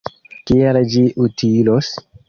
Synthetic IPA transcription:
kiald͡ʒiʔutilos

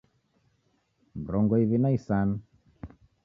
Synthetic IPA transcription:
mbɾɔŋɡɔiβinaisanu

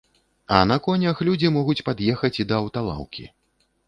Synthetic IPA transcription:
ɐnɐkɔnʲɐxlʲud͡zʲimɔɣut͡sʲpad̪jɛxɐt͡sʲid̪ɐːwt̪alˠa̰wkʲḭ

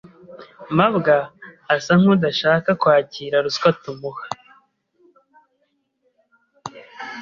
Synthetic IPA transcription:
maβɡaːsaŋ̥hudaʃaːkakwaːciːɾaɾuskwatumuhḁ

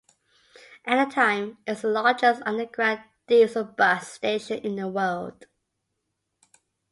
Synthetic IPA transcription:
ʔænətʰãɪ̃mɪslɑːd͡ʒəsʌ̃ndəɡɹad̚ | disəbʌssteɪʃə̃nɪ̃nðəwɜlˠd̥

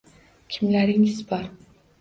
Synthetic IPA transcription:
kʲʰɪmlaɾɪŋɪzbɒɾ

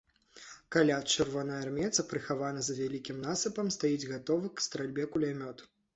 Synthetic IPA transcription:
kalʲat͡ʂɨrvɔnɐjarmʲɛt̪sɐpɾɨxavanɐzɐvʲalʲikʲimnasɨpɐmst̪ajid͡zʲɣat̪ɔvɐkst̪ɾalʲbʲɛkulʲamʲɔt̪

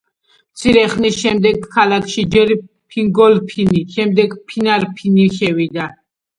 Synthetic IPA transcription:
t̪sʰiɾɛχnisʃɛmd̪ɛɡkʰːalakʰʃid͡ʒɛɾ | pʰiŋɡɔlpʰiniʃɛmd̪ɛɡpʰinaɾpʰiniʃɛvid̪a

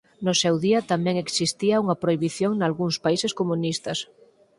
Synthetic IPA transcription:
nʊsɛwðiɐt̪amɛ̃ŋeksist̪iɐuŋɐpɾoiβiθjoŋnalɣuŋspaisɪskomunist̪ɐs

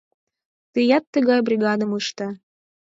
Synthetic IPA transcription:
t̪əjɑt̪ːəɣɑjbrʲiɣɑd̪əmuʃt̪ə

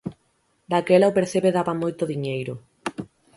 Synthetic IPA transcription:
d̪akelaopeɾθeβeðaβamojt̪oðiɲejɾʊ

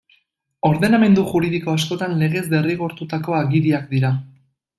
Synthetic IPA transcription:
o̞ɾðe̞name̞nd̪uʝuɾiðiko̞asko̞t̪anle̞ɣ̞e̞zde̞riɣo̞ɾt̪ut̪ako̞aɣiɾiakd̪iɾa

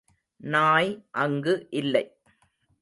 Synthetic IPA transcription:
naːjʔɐŋɡɯʔɪlːɐɪ

